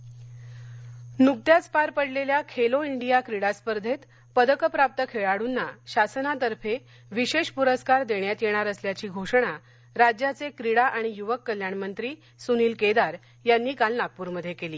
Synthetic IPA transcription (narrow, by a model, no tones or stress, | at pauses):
nuk̚t̪jat͡spaɾpəɽleljakʰeloiɳɖijakɾiɽaspəɾd̪ʱet̪ | pəd̪əkəpɾap̚t̪əkʰeɭaɽunːaɕasənat̪əɾfʰe | ʋiɕeʂpuɾəskaɾd̪eɳjat̪jeɽ̃aɾəsljat͡ɕiːɡʱoʂəɽ̃a | ɾad͡ʑjat͡sekɾiɽaʔaɽ̃ijuʋəkːəljaɳmənt̪ɾiː | suniːlked̪aɾ | janːiːkalnak̚puːɾməd̪ʱːjekeliː